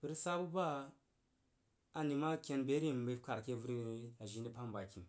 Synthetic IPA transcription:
bu˦ɾsa˦bu˦ba˦ | ni˨ma˦kʲe˦nbe˨˦ɾi˦˨m˨be˨˦ka˨ɾkʲe˦vu˦ɾa˨ʒi˨˦ni˦pa˦mba˨kʲi˨m

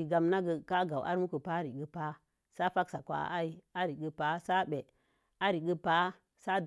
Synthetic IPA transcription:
i˨ɡa˨mna˦ɡə˨ka˦ɡa˨wʔa̰˦ɾmu˦kə˨pa˦ɾi˨ɡə˨pa˦ | sa˦fa˦ksa˨kʷa̰˨˦a˦i˦a˦ɾi˨ɡə˨pa˦sa˦be˨ | a˦ɾi˨ɡə˦pa˦ | sa˦

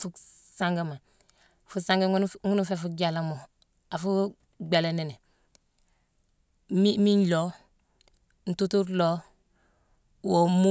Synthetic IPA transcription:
fu˦ | sa˦ŋɡa˦˨ma˨ | fu˦sã˦ŋɡe˦ŋu˦nu˦fe˦fu˦ɟa˨la˨mo˨ | a˨fu˦ | ɡ͡be˨le˨ne˨ne˨ | mi˦mi˦nlo˦ | n̩˨tu˦tu˦ɾlo˦ | wo˨mu˦

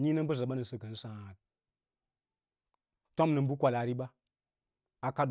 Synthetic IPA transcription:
ɲi˦nə˦m˦bə˦za˨ɓa˦nə˨sə˨kə˨n˦sã˨t̚ | to˦mnə˨m˦bu˦kʷa˨la˨ɾi˦ɓa˦ | a˨ka˦d

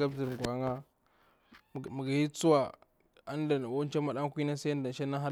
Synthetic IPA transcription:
ɡa˦bzi˨ɾɡʷa˨˦ŋa˦˨ | ma˨ɡa˨hi˦t͡su˦wa˨ | a˦nda˨n˨wo˦n˦t͡ʃa˦ma˨ɗa˦ŋ˦kʷi˦na˦sa˦a˦nda˨n˨ʃa˦na˦ɦa˦

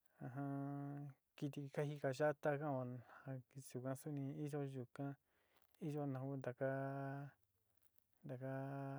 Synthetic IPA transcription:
ã˧ɦã˧ | ki˧t̪̬i˧ka˦hi˧ka˧ʒa˦t̪a˦kã˦o˧˨ã˧i˧˨u˨kã˧su˦nĩ˧i˦ʒo˦ʒu˨kã˦ | i˦ʒo˦nã˨˧ku˦nd̪a˨ka˦ | nd̪a˨ka˦

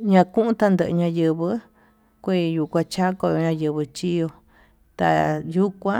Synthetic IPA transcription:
ɲã˧kũ˦ʔũ˦t̪a˧nd̪ə˧˨ʔɨ˧ɲã˧jɨ˧βɨ˧˦ | kʷi˦˧˨ju˨˧kʷã˧t͡ʃa˦ko˧jo˧ɲã˧jɨ˧βɨ˧t͡ʃi˦jo˧ | t̪a̰˧ju˦kʷã˦

